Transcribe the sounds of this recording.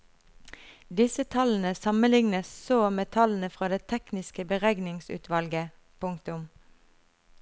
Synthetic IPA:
d̪ɪsət̪ʰɑln̩əsɑmənlɪŋnəssoːmet̪ʰɑln̩əfʁɑːd̪eːt̪ʰɛknɪskəbəʁɛɡnɪŋsʉ̰ːt̪ʰʋɑlɡə | pʰʊŋkt̪ʊm

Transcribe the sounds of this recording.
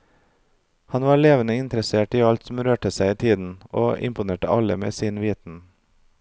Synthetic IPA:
hɑnʋɑːɭeːʋənəɪnt̪ɾəseːʈiːɑlt̪sɔm̩ɾøːʈəsæɪiːt̪ʰiːd̪n̩ʔoːʔɪ̰mpʊneːʈəʔɑləmḛːsiːnʋiːt̪n̩

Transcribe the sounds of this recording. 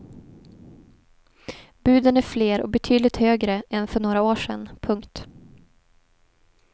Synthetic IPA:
b̥ʉ̟ːd̪ənæɾfleːɾɔ̰bɛt̪ʰyːd̪lɪt̪høːɡɾəʔɛnfœɳoːɾaoːʂɛ̰npʰɵŋkt̪

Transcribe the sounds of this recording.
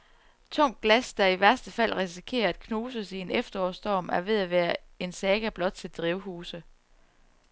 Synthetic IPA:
t͡sʰɔ̽ŋ̰ɡ̥læsd̥ɑ̈iʋæɐsd̥əfæl̰ʁis̬ikʰe̝̰ːɐæd̥̚kʰnoːsəienefd̥ɐɒ̰ːsd̥ɒ̰ːmæɐʋe̝ðˠæʋæːɐe̝nsɛːɡ̥æb̥lɒ̽d̥t͡sʰe̝ld̥ʁiʊɦuːsə

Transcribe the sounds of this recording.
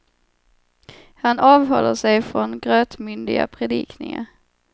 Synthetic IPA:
hanɑːvɦɔ̰lːəʂɛjfɾɔnɡɾøːt̪mʏnd̪ɪɡa̰pʰɾɛd̪ḭːkʰnɪ̰ŋə̰ɾ

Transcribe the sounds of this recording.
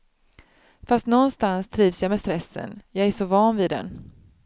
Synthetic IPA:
fast̪nɔnst̪anst̪ʰɾiːvsjɑmɛst̪ɾɛsːə̰njɑːæʂɔvɑːnvɪd̪ɛ̰n

